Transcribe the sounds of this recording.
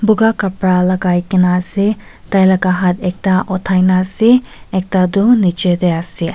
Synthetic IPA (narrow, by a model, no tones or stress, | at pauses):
buɡakɐpɾalɐɡajkinase | tajlɐkaɦat̪ek̚taʔɔtʰajnaseek̚tadunit͡ʃed̪ejasi